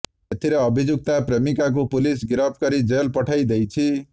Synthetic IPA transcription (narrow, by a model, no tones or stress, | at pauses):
ʌt̪ʰiɾʌʌbʱid͡zuk̚t̪apremikak̬opulis̬ɡiɾʌp̚ʰkʌɾid͡zelpʌʈʰʌjd̪ejt͡sʰi